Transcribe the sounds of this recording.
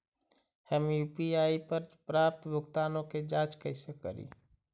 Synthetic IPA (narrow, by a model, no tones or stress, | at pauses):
həmjuːpiaːipəɾpɾaːp̚t̪bʱʊɡt̪aːnõked͡ʒaːt͡ʃkəɪsekə̰ɾḭː